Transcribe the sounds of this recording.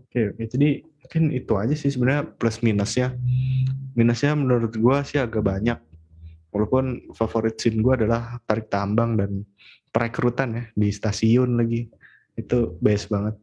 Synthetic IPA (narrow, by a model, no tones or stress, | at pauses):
okeoked͡ʒadi | kanit̪uad͡ʒasɪhsəbənarɲapləsminəsɲa | minəsɲamənuɾʊt̪̚ɡuasɪhaɡaʔbaɲak̚ | walowpʊnfafoɾit̪̚sɪnɡuaːdalaht̪aɾɪk̚t̪ambaŋdan | pɾekɾut̪anjahdist̪asiʊnlaɡi | it̪ubajasbaŋət̪̚